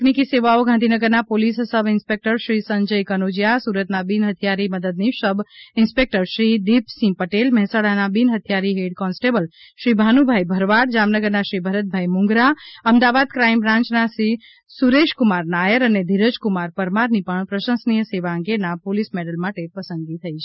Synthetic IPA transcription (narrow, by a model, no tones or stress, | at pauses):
knikiseʋaoɡʱãnd̪ʱinəɡəɾnapolissəbʱinspek̚ʈəɾʃɾisəɲd͡ʒəjkənod͡ʒjasuɾət̪nabinɦət̪ʰijaɾiməd̪əd̪̚nisəbʱinspek̚ʈəɾsɾid̪ipsĩpəʈelmɛɦsaɽanabinɦət̪ʰijaɾiɦeɖkɔnsʈebəl | ʃɾibʱanubʱajbʱəɾʋaɽd͡ʒamnəɡəɾnaʃɾibʱəɾət̪̚bʱajmʊ̃ŋɡɾaəmd̪aʋad̪kɾaimbɾãɲt͡ʃnasɾi | suɾeʃkumaɾnajəɾəned̪ʱiɾəd͡ʒkumaɾpəɾmaɾnipəɳpɾəʃə̃nsnijəseʋaə̃ŋɡenapolismeɖəlmaʈepəsənɡit̪ʰəit͡ʃʰe̥